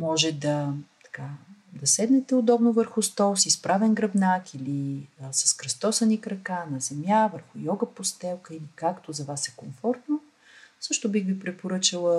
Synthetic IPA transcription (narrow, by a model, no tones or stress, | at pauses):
mɔʒɛd̪ɐt̪ɐ̥kad̪ɐsɛd̪nɛt̪ɛod̪ɔbnovəɾxʊst̪ɔlˠsispɾavɛnɡɾɐbnakiliəsɐ̥skɾɐst̪ɔsənikɾɐkanɐzɛmʲjavəɾxʊjɔɡəpost̪ɛlˠkəilikakt̪ozɐvasɛkomfɔɾt̪no | sɤʃt̪ʊbixvipɾɛpoɾɤt͡ʃəlˠə